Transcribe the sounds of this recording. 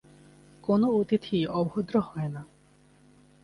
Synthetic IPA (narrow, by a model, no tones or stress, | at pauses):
konoot̪it̪ʰiɔbɦod̪ɾohɔena